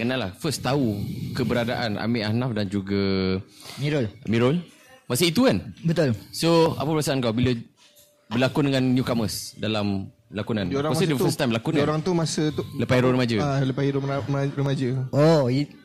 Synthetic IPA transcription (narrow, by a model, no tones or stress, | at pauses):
kənalahfəst̪aukəbəɾadaʔana̰mɪʔanafdand͡ʒuɡa | miɾolmiɾol | masəit̪ukanbət̪ʊlsoa̰pəpəɾasaʔankawbilə | bəlakʊndəŋãnːjukɔməsdalam | lakunãnoɾaasdəfəst̪ːajmbəlakʊnaoɾaŋt̪umasət̪uləpaiɾoɾəmad͡ʒəaləpahiɾumɾəmad͡ʒəɔi